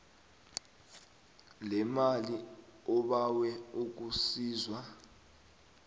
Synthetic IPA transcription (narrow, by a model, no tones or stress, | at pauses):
lɛmaliɔɓawɛuk̬usiːzwa